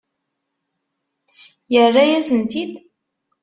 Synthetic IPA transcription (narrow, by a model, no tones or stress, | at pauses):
jərːajæzənt̪id̪